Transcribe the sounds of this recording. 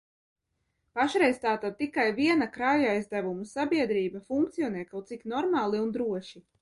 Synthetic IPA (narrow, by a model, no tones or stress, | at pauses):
paʃɾɛjzt̪aːt̪ad̪̚t̪ikajviɛnakɾajuajzd̪ævumusabʲiɛd̪ɾiːbafuŋkt̪sijɔnɛːkawt̪siknɔɾmaːlˠiund̪ɾuɔʃi